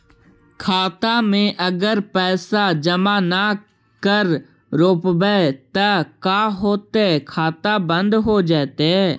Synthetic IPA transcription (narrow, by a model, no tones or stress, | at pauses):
kʰaːt̪amẽʔəɡəɾpɛːsad͡ʒəmana | kəɾ | ɾoːpbɛt̪əkaːɦoːt̪ekʰaːt̪abə̃nd̪ɦod͡ʒaːt̪ɛː